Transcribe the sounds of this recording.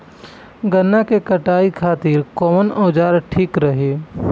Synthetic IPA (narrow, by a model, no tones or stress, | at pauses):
ɡənːakekɐʈaːikʰaːt̪ɪɾkɔːmənɔːd͡ʒaːɾʈʰiːkɾəɦeː